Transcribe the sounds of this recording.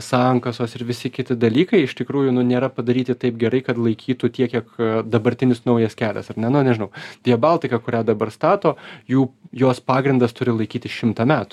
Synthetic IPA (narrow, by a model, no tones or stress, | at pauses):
sɑːŋkɐsoːsɪɾʋʲɪsʲɪkʲɪt̪ʲɪd̪ɐlʲiːkɐɪɪʃt̪ʲɪkɾuːjʊnʊnʲeːɾɐpɐd̪ɐɾʲiːt̪ʲɪt̪ɐɪp̚ɡʲɛɾɐɪkɐt̪lˠɐɪkʲʰiːt̪uːt̪ʲiɛkʲiɛkd̪ɐbɐɾʲt̪ʲɪnʲɪsnɐʊjɛskʲæːlʲɛ̰sɐrnʲɛnʊnʲɛʒʲɪnɐʊd̪ʲiɛbɑːlˠʲt̪ʲɪkɐkʊɾʲæːd̪ɐbɐrst̪ɑːt̪oːjuːjoːspɑːɡɾʲɪnd̪ɐst̪ʊɾʲɪlˠɐɪkʲiːt̪ʲɪsʃʲɪmt̪ɐmʲæːt̪ʊ̥